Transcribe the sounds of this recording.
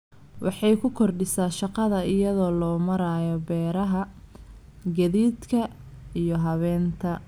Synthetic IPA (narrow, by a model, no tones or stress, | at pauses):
wʔɑħɑjkʰʊkʰɔrɖɪsaːʃɑqɑðɐɪjɐðɔːlɔːmɐɾaːjɔbɛːɾɐɦɐ | ɡɐðiːd̪kʰɐijɔɦɐβɛːnt̪ʰɐ